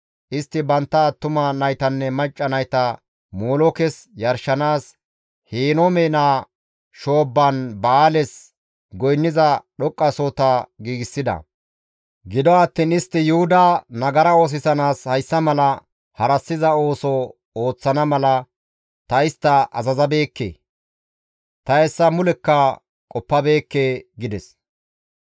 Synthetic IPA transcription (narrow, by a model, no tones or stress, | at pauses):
ʔɪst̪ːɪbɐnt̪ːɐːt̪ːʊmɐnɐjt̪ɐnːɛmɐt͡ʃʼːɐnɐjt̪ɐ | moːlɔkɛsjɐɾʃɐnaːs | heːnɔmeːnaː | ʃoːbːɐnbɐaːlɛs | ɡɔjnːɪzɐɗɔkʼːɐsoːt̪aɡiːɡɪsːɪd̪ɐ̰ | ɡɪd̪ɔɐt̪ːiːnɪst̪ːɪjʊhʊd̪aːnɐɡɐɾɐo̞ːs̬ɪsɐnaːshɐjsːɐmɐlɐ | hɐɾɐsːɪzɐo̞ːsɔ | o̞ːt͡sːɐnɐmɐlɐ | t̪ɐɪst̪ːɐʔɐ̰zɐzɐbe̞ːkːḛː | t̪ɐɛsːɐmʊlɛkːɐ | kʼɔpːɐbe̞ːkːeːɡɪd̪ɛs